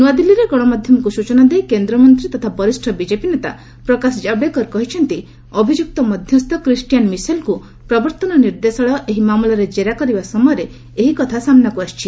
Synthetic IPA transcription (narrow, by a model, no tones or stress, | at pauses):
nuad̪ilːiɾeɡɔɽ̃ɔmad̪ʱjɔmɔkusut͡ʃɔnad̪ejkend̪ɾɔmɔnt̪ɾit̪ɔt̪ʰabɔɾisʈʰɔbid͡ʒepinet̪a | pɾɔkasɔd͡ʒabekɔɾkɔɦit͡ʃʰɔnt̪i | ɔbʱid͡ʒuk̚t̪ɔmɔd̪ʱjɔst̪ɔkɾisʈijanmisalku | pɾɔbɔɾt̪ɔnɔniɾd̪esɔɭɔʔeɦimamulɔɾed͡ʒeɾakɔɾibasɔmɔjɔɾe | eɦikɔt̪ʰasamnakuast͡ʃʰi